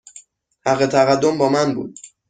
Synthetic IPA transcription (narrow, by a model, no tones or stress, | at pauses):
hæɣːet̪ʰæɣæd̪ːo̞mbɒːmænbṵːd̪̥